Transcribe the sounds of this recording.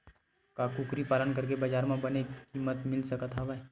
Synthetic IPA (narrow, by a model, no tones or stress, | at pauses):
kakuːkɾipaːlənkɐɾk̬ebɐd͡ʒaːɾmãbɐnekimət̪mɪlsɐkət̪ɦaʋa